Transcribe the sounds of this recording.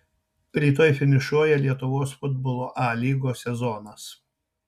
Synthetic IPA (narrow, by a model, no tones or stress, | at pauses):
ɾʲiːt̪oːjfʲɪnʲɪʃuɔjɛlʲiɛt̪ʊʋoːsfʊd̪bɔlˠoːʔɑːlʲiːɡoːsʲɛzɔnɐs